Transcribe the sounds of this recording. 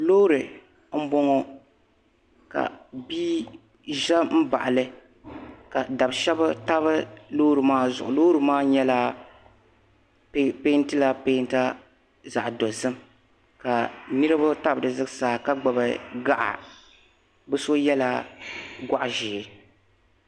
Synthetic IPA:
lo˦ɾɨ˨ | m̩˦bɔ˦ŋɔ˦ | ka̰˨biː˦ | ʒɛ˦m̩˦ba˨ʔlɨ˦ | ka˨da˨bʃɛ˦bɨ˦ta˦βɨ˦loː˦ɾɨ˨maː˦zʊ̰˨ʔʊ˨loː˦ɾɨ˨maː˦ɲɛ˦la˦ | ppe˦n˦tɨ˦la˦pe˦n˦ta˦ | za˨ʔdɔ˨zɨ˦m | ka˨nɨ˦ɾɨ˦ba˦ta˦bɨ˨dɨ˨zɨ˦ɡsaː˦˨ka˦ɡ͡ba˨bɨ˨ɡa˦ʔa̰˨ | bɨ˦so˦jɛ˦la˦ɡʷa˦ʔʒɪː˨ɪ˨

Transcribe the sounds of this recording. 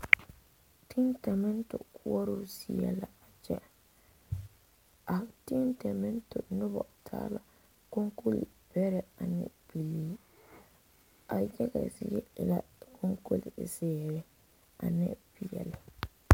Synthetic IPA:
tʰi˦ntɛ˨mɛ˦ntʊ˨kʰʊ˦ɔ˦ɾo˦si˨ɛ˦la˨a˨t͡ʃɛ˦ | ʔa˨tɪ˦ntɛ˨mɛ˦ntʊ˨nʊ˦bɔ˨tʰa̰ː˦la˨ | ko˦ŋko˦lḭ˨ | b̥ɛ˦ɾɛ˦a˨nɛ̰˦bi˨liː˦ | a˨jɛ˦ɡɛ̰˨zɪ̰˦ɛ˦ɪ˨la˦kʰo˦ŋko˦li˨zɛː˦˨ɾɛ˦ | a̰˨nɛ̰˦bi˨jɛ̰˨lɪ˨

